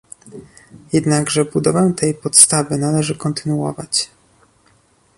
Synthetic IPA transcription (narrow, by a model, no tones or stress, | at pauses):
jɛd̪naɡʐɛbud̪ɔvɛt̪ʰɛjpɔt̪st̪avɘnalɛʐɘkɔnt̪ɘnuwɔ̰vat͡ɕ